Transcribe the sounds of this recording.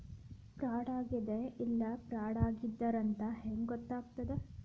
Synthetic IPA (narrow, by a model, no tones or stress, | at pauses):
pɾaːɽaːɡid̪eʔilːɐpɾaːɽaːɡid̪ːɐɾɐnt̪ɐɦeŋɡɡɔt̪ːaːɡ̚t̪ɐd̪e